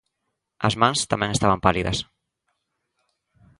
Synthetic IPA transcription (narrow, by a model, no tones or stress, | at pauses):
ɐ̰zmãŋst̪amɛ̃ŋest̪aβɐmpaliðɐ̰s